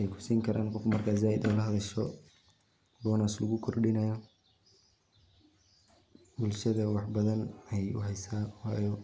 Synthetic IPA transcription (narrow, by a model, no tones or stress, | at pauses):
ɛjkʰʊ̥siːŋkʰɐɾʔa̰ːnqɔfmɐrkʰaːz̬aːɪd̪ɔ̰ːlɐɦɐðɐʃɔ | b̪ɔːnaːslɐɣʊkʰɔrɖɪnɐjɔ | bʊlʃɐðɐwɑħbɐðɐnɛjʊ̰ɦɛjsaːhajɔ